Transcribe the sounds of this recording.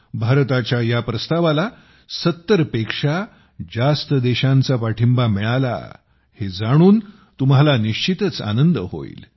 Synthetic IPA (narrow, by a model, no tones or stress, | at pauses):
bʱaɾt̪at͡ɕjajapɾəst̪aʋala | sət̪ːəɾpekʂa | d͡zast̪əd̪ɛɕãnt͡sapaʈʰimbamiɭala̰ | hed͡zaɽ̃uːn | t̪um̤alaniɕt͡ɕit̪ət͡sa̰nənd̪əɦo̰ḭːl